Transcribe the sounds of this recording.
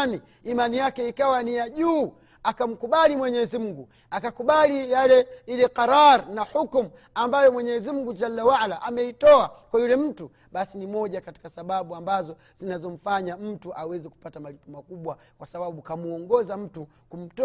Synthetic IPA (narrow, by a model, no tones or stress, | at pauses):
niː | manijakɛikawanijaʄuː | akam̩kuɓalimwɛɲɛzimuɡu | akakuɓalijalɛilɛqaɾaɾnahukm̩ | ambajɔmwɛɲɛzimuŋɡud͡ʒalːawaalaʔamɛitɔakwajulɛm̩tu | ɓasinimɔʄakati̥kasaɓaɓuambazɔ | z̥inazɔm̩faɲam̩tuʔawɛzɛku̥patamalipɔmakuɓwa | kwasaɓaɓukamuɔŋɡɔzam̩tu | kum̩tɔ